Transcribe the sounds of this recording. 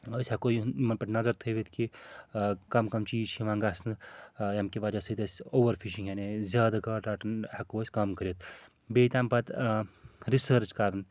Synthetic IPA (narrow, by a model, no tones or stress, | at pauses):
oːsʲhɐkoːjumɐnpɐʈnɐzɐɾt̪ʰəjʋet̪ki | kɐmkɐmt͡ʃiːzt͡ʃʰiʋãːŋɡaːsnjɐmkibaːd͡ʒasɐt̪ɐsʲoːʋɐɾfʰiʃiŋɡɦenezʲaːd̪aɡaːʈaːʈnhɐkoːsʲkɐmkəɾet̪̚ | beːt̪aːmpɐt̪ | ɾisəɾt͡ʃkaːɾɐn